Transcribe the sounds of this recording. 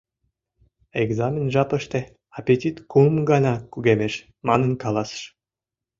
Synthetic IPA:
eɡzamʲenʒɑpə̆ʃt̪e | apʲetʲit̪kumɡɑnɑkuɡemeʃ | mɑnɤ̆nkɑlˠɑsʃ

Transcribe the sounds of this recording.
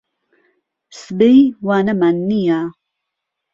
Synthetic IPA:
sbejwaːnɐmanːija

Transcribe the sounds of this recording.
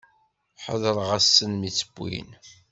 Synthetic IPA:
ħə̰ðəɾˤʁæsːənmit͡sːə̥bːḭn

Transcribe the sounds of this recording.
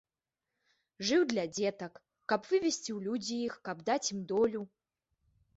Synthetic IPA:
ʐɨwd̪lʲad͡zʲɛt̪ɐkː | apvɨvʲesʲt͡sʲiwlʲud͡zʲijixkabd̪at͡sʲimd̪ɔlʲu

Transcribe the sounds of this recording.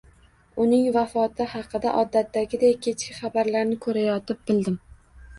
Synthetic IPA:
ʊnɪŋvafɒt̪ʰɪhɑqʰɨd̪a̰ʔɒd̪ːat̪ːaɡʲɪd̪ajkʲʰe̞t͡ʃkʲɪχɑbaɾlaɾnɪkʰɵɾajɒt̪ɪp̚bɪld̪ɪm

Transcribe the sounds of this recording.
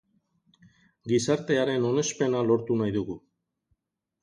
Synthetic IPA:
ɡisaɾt̪e̞aɾe̞no̞ne̞spe̞nalo̞ɾt̪unajðuɣu

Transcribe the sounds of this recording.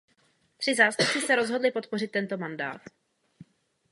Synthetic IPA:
t̪r̥ɪzaːst̪up̚t͡sɪsɛɾo̞zɦo̞dlɪpo̞t̪̚po̞rɪt̪ːɛnt̪o̞manda̰ːt̪

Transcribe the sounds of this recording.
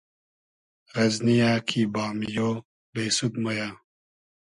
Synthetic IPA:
ɣɐznijaːkʰibaːmijoː | beːsud̪moja

